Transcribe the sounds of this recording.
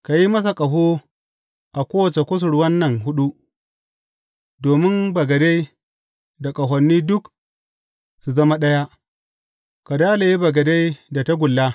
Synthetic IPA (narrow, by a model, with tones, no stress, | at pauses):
ka˨ji˦mɐ˦s̬a˨kʼɐ˨ɦoː˦ | ʔa˨kʷoː˦wɐ˨t͡ʃe˨kʷʊ˦s̬ʊ˨ɽwɐ˦nːɐ˨ŋɦʊ˦ɗu˦ | doː˨mɪ˦mbɐ˨ɡɐ˨de˦j | da˨kʼɐ˨ɦɔ˨nːiː˦dʊ˦k | su˨zɐ˦ma˦ɗɐ˦ja˦ | ka˨daː˦la˨ji˦bɐ˨ɡɐ˨de˦jda˨ta˦ɡʷʊ˨lːaː˦